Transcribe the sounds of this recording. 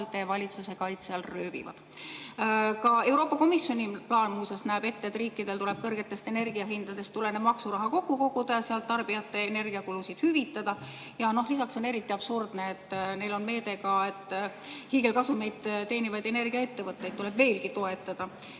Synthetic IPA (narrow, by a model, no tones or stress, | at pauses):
lt̪ːˑevɑlʲit̪suse̞kɑjt̪seɑlrøːvḭvɑ̰d̪̥ | kɑe̞wɾo̞ːpːˑɑko̞misjo̞nʲiplɑːnmuːsesnæːbe̞t̪ːeet̪riːkːˑid̪e̞lt̪ule̞b̥̚kɤrɡ̥e̞t̪ːˑe̞st̪e̞ne̞rɡiɑɦind̪ɑd̪e̞st̪ːule̞neb̥mɑksuɾɑɦɑko̞kːˑuko̞ɡud̪̥ɑjɑseɑlt̪ːɑrb̥ijɑt̪ːe̞ːne̞rɡ̥iɑkulusid̪̥hyvit̪ːˑɑd̪̥ɑ | jɑno̞ɦlisɑkso̞ne̞ɾit̪ːˑiɑb̥surd̪̥neːt̪ːˑne̞jlo̞nme̞ːd̪e̞kɑe̞t̪ːˑ | hiːɡe̞lkɑsume̞jd̪̥t̪e̞ːnivɑjd̪̥e̞ne̞rɡ̥iɑe̞t̪ːe̞vɤt̪ːˑe̞jd̪̚tule̞b̥ve̞ːlkit̪o̞e̞t̪ːˑɑd̪̥ɑ